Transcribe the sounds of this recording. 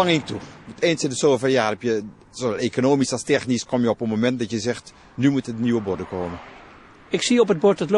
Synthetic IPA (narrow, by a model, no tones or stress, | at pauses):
aŋɪŋtumuteːnsɪndəsoːvərjaːrɛpjə | soʋɛlˠekonoːmisastɛxniskʰɔmjəɔpənmomɛnt̚dɔtjəzɛxt | nymutədniwəbodəkʰoːmə | ɪksiɔpət̚bɔtɔtl